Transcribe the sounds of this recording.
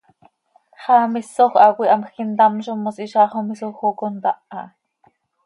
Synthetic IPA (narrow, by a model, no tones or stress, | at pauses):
χɑːmisoχʷɑkʷiʔɑmxint̪ɑmʃomːosiʃɑːχomisoxokont̪ɑʔɑ